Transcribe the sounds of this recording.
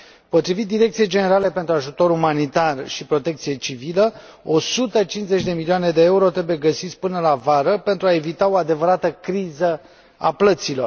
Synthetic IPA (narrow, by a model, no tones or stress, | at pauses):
po̞t̪ɾivit̪̚d̪iɾekt̪sije̞jd͡ʒe̞ne̞ɾale̞pe̞nt̪ɾuaʒut̪o̞ɾumanit̪arʃipɾo̞t̪e̞kt̪sije̞t͡ʃivilə | o̞sut̪ət͡ʃinze̞t͡ʃʲd̪e̞milioane̞d̪e̞euɾo̞t̪ɾe̞buje̞ɡəsit̪sʲpɨnəlavaɾəpe̞nt̪ɾuae̞vit̪ao̞ad̪e̞vəɾat̪əkɾizə | a̰plət̪silo̞̰r